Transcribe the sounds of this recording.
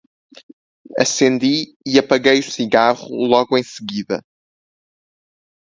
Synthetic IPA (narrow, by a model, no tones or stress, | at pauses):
ɐsẽnd̪i | iɐpɐɣejusiɣaʁṵlˠɔɣuẽj̃sɨɣiðɐ̰